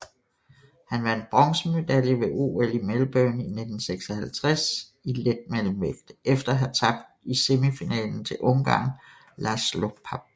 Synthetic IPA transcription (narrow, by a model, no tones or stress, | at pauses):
hænʋɑ̈e̝nb̥ʁɒ̽ŋsəme̝d̥æljəʋe̝ʔo̰ːelimelm̩b̥œːnine̝d̥n̩seɡ̥sɐhælt͡sʰʁas | iled̥̚melm̩ʋeɡ̥d̥efd̥ɐɦæt͡sʰɑ̈b̥d̥ise̝mifinɛ̰ːln̩t͡sʰe̝lʔɔ̽ŋɡ̥ɑ̰̈ːn | læslo̥pʰɑb̥̚